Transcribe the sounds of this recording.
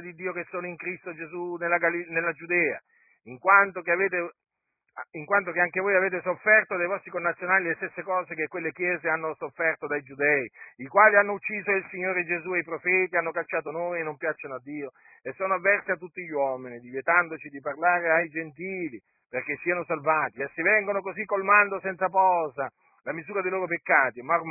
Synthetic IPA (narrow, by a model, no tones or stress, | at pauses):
d̪id̪ːiːokesːoːnoiŋkɾist̪od͡ʒezunelːaɡalinelːad͡ʒud̪ɛːa̰ | iŋkwant̪okeaveːt̪e | iŋkwant̪̬okeaŋkevoːjaveːt̪esofːɛrt̪od̪ajvɔst̪ɾikonːat̪sːjonaːlilest̪esːekɔːzekekwelːekjɛːzeanːosofːɛrt̪od̪ajd͡ʒud̪ɛiikwaːlianːout͡ʃːiːzoilsiɲːoːɾed͡ʒezuejpɾofɛːt̪ianːokat͡ʃːaːt̪onoːjenːompjat͡ʃːanoad̪ːiːo | esːoːnoavːɛrsiat̪ːut̪ːiʎːwɔminid̪ivjet̪and̪ot͡ʃid̪iparlaːɾeajd͡ʒent̪iːli | perk̟esːiːanosalvaːt̪isːivɛŋɡonokozikːolmand̪osɛnt̪sapɔːza | lamizuːɾad̪ejloːɾopekːaːt̪imarm